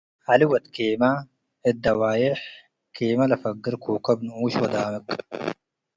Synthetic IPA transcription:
ɐliwɐt̪keːmɐ | ɪd̪ːɐwaːjeħ | kʰeːmɐlɐfɐɡɪɾkʰuːkɐbnuuːɕwɐd̪aːmɪk

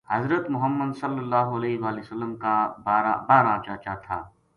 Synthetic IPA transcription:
hɐzɾət̪mʊɦəmːəd̪sɐlːəlːaːɦoɐleːɦʋaːlɪsəlːəmkabaːɾabaːɾat͡ʃaːt͡ʃat̪ʰa̰ː

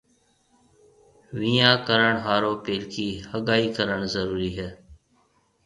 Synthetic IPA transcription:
ʋĩːãːkəɾəɳɦaːɾoːpeːlkʰiːhəɠaːiːkəɾəɽzəɾuːɾiːɦɛː

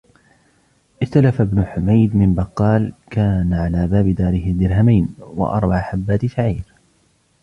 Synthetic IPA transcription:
ʔɪst̪alafabnʊħʊmajd̪mɪmbɑqːɑːlkaːnaʕalaːbaːbɪd̪aːɾɪhɪd̪ɪɾɦamajnwa̰ʔɑ̰ɾˤbaʕħabːaːt̪ʃaʕiːɾ

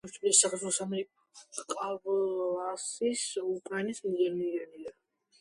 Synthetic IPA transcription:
t͡ʃ̪ʰulisakʰɾɛt̪ʰulˠɔsamɛɾikʼ | qʼavlasisukʼɾanɛsmzɛniɛnia

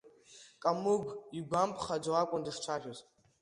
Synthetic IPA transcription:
kʼamɨɡʷiɡʷampʰχad͡ʒʷoakʷʼʊndɨʂt͡ʃʷʰarʲoz

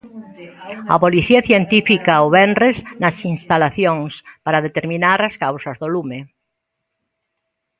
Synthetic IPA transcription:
ɐ̰poliθiɐθjent̪ifikaoβɛnreznɐsinst̪alaθjoŋspaɾaðet̪eɾmĩnaɾɐskawsɐzðolume

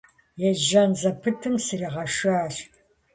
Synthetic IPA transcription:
jɛʒɐnzɐpʰɨtʰɨmsɨriːʁɐʂaːr

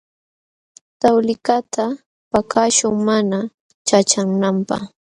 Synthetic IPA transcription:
t̪awlɪkat̪ʰa | pakʰaʃʊŋmana | t͡ʃat͡ʃaŋnampa̰χ

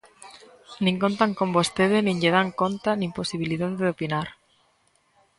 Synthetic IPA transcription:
nĩŋkont̪aŋkombost̪eð̞enĩɲʎeð̞aŋkont̪anĩmposiβ̞iliðaðeopinaɾ

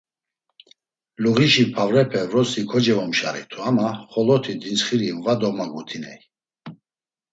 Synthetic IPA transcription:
luɣiʃipʰavɾɛpʰɛvɾɔsikʰɔd͡ʒɛvɔmʃaɾḭt̪ʰuamaχɔlɔt̪ʰid̪insχiɾimvad̪ɔmaɡut̪ʰinɛ̰j

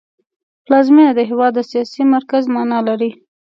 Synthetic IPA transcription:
plɑzminad̪əɦewɑd̪əsijɑsimaɾkazmɑnɑlaɾi

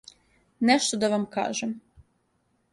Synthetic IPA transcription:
neʃt̪od̪aʋamka̰ːʒem

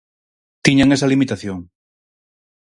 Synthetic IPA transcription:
t̪iɲaŋesalimit̪aθjoŋ

